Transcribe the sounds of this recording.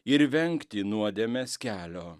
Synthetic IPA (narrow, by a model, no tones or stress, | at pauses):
ɪɾʋʲɛŋkt̪ʲɪnuɔd̪ʲɛmʲɛsʲkʲæːlʲoː